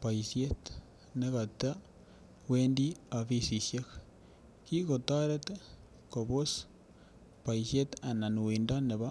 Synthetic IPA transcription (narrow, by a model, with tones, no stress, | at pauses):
paisjet | neɣa˨ta | weːndi˦a˨fi˦si˨sje˦k | ki˦ko˨ta˦ɾe˦te | koβo˦s | pa˨isje˦ta˨na˨nuwinda˦ne˨βa˦